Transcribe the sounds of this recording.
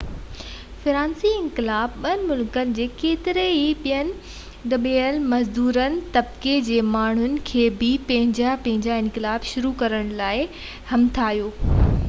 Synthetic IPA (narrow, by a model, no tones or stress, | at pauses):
fɪɾãːnsiɪ̃nkɪlaːbɓɐnɪ̆mʊlkənɪ̆d͡ʑeːkeːt̪ɪɾeiɓijənɪ̆ | d̪ɐɓiəlɪmɐzd̪uːɾənɪ̆t̪ɐb̚ked͡ʑeːmaːɳ̤ʊnɪ̆kʰeːbɪpɐ̃ɦɪ̃ɲd͡ʑapɐ̃ɦɪ̃ɲd͡ʑaɪ̃nkɪlaːbʃʊɾukɐɾəɽ̃laːɪ | hɐmt̪ʰaːɦijoː